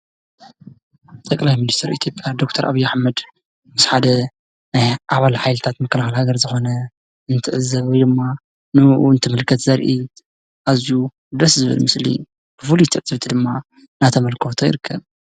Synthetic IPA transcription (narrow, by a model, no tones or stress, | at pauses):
t̪ʼɐkʼlajminist̪ʰɐɾit̪ʰjo̞pʼjad̪o̞k̚t̪ʰɐɾʔa̰βijːaħmɐd̪ | mɨsħad̪ɐ | najʔaβalħajlɨt̪ʰat̪mɐkːɐlaxɨlhaɡɐɾzɨxo̞nɐ | ɨnt̪ʰɨʕɨzːɐβwjd̪ɨmːa | nɨʔɨnt̪ʰɨmɨlkʰɐt̪zɐɾʔi | ʔazju | d̪ɐszɨβɨ̰lmɨslḭ | b̥ɨfulujt̪ʰɨʕɨz̥ɐβt̪ʰid̪ɨmːa | nat̪ʰɐmɐlkʰot̪ʰojɪ̰ɾɨkʰːɐβ